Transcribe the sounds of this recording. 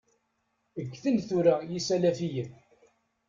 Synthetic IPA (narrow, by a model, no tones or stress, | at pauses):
əɡʷːθənθuɾajisælæfijən